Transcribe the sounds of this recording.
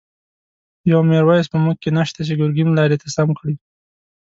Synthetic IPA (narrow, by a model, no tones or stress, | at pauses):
jawmeɾwɑjaspəmuk̚kːenaʃt̪at͡ʃeɡʊɾɡimlɑɾet̪asamkɽi